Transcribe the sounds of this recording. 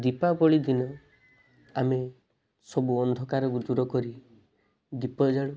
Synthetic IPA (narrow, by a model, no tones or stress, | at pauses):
d̪ipabɔɭid̪inɔ | ame | sɔbuɔnd̪ʱɔkaɾɔkud̪uɾɔkɔɾi | d̪ipɔd͡ʒaɭu